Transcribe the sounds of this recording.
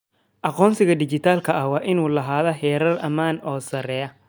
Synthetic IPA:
ʔɐqɔːnsɪɣɐd̪ɪt͡ʃɪt̪ʰaːlkʰɐɐwɑːʔɪnuːlɐɦaːðɐhɛːɾɐrʔɐmaːnɔːsɐɾɛːjɐ

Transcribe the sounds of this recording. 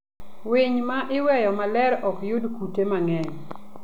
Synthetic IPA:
wɪɲmaʔɪwɛjɔmalɛɾɔkjʊdkutemaŋɛɲ

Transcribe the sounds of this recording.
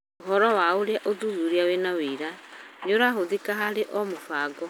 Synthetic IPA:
oɦɔɾɔwaoɾeaʔoðuðuɾiawenaweɾa | ɲoɾaɦoðikaɦaɾeʔɔmofaɡɔ

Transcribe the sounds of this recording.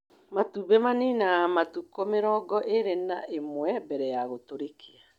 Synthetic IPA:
matuβɛmaninamatukɔmeɾɔːɡɔʔeɾena̰ʔemwɛbɛɾɛjaɣotoɾekʰea

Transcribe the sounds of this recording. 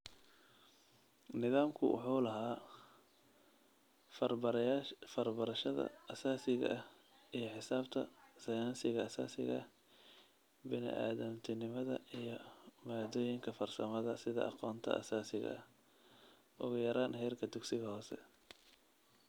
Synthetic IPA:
nɪðaːmkʰʊ̰wʊ̰ħuːlɐɦaː | fɐrbɐɾɐʃɐðɐ̰ɐsaːsɪɣɐ̰ʔɐ | ijɞħɪsaːbt̪ʰɐ̰sɐjaːnsɪɣɐɐsa̰ːsɪ̰ɣɐ | bɪnɪ̰ʔa̰ːðɐmt̪ʰɪnɪmɐðɐijɞmaːd̪ɔːjɪŋkʰɐfɐrsɐmɐðɐsɪðɐ̰ʔɑ̰qɔːnt̪ʰɐ̰ʔɐ̰saːsɪɣɐ̰ɐ | ʔʊɣʊjɐɾaːnhɛːrkʰɐd̪ʊɡsɪɣɐhɔːsɛ̰

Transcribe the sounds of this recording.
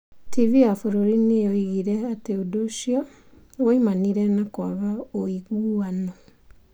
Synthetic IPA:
tiviafoɾoɾinejoiɣiɾɛateodoʃiɔ | woimaniɾɛnakwaβaoiɣuanɔ

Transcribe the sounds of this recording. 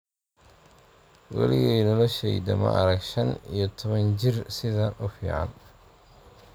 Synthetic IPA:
wɑ̰lɪɣɛːnɔlɔʃɛjd̪ɐmɐ̰ʔɐɾɐɡʃɐnijɔt̪ʰɔβɐnt͡ʃɪrsɪðɐʔʊfiːʕɑ̰n

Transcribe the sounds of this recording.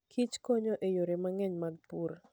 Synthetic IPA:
kʰit͡ʃkoɲoʔejoɾemaŋɛɲmaɡ̚puɾ

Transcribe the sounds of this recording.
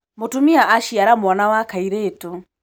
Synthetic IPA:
motumiaʔːʃiaɾamwanawakaiɾeːto

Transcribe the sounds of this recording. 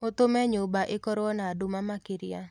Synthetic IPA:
ot̪ʊmɛɲʊbaʔɪkɔɾɔnadʊmamakɪɾɪa̰

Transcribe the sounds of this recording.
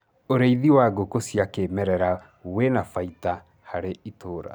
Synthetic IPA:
oɾeiðiwaɡokosjakemɛɾɛɾa | wenafaita | haɾeitoːɾa̰

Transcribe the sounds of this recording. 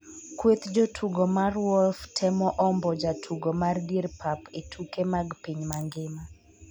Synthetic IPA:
kwet̪d͡ʒotʰuɡɔmarwɔlftʰɛmɔʔɔmbɔd͡ʒatʰuɡɔmardierpʰapetʰukemaɡpiɲmaŋɡɪma

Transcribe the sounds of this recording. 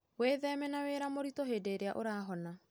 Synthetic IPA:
weːðɛmɛnaweɾamoɾitɔɦedeɾeaʔoɾaːɦɔna

